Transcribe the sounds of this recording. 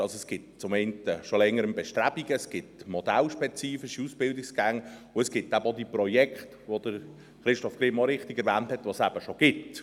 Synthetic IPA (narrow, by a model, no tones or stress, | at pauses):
ɑlsoɛsɡ̥ɪt̚t͡sʊmɛɪntəʃolɛŋːəɾəmbɛʃtɾæb̥iɡəsɡ̥ɪtmɔd̥̪ælʃpɛt͡siːfiʃiusb̥ɪldiksɡ̥æŋʊɛsɡ̥ɪtːæbəodiprɔjɛkχtʋod̥əɾ | χɾɪʃtɔfɡ̥ɾɪmɔɾɪχtiɡɛɾvæːnthɛtvʋosæb̥əʃoɡ̥ɪt